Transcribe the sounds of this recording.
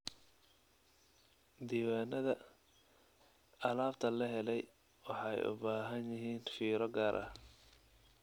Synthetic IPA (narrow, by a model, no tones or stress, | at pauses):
d̪iːwaːnːɐðɐ | ɐlaːbt̪ʰɐlɐɦɛlɛj | wɑħɑjʊ̰baːɦɐnjɪɦiːnfiːɾɔɡaːɾʔɐ̰